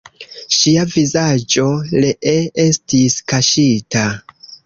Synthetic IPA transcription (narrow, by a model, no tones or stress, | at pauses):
ʃiavizad͡ʒo̞leʔeestiskaʃita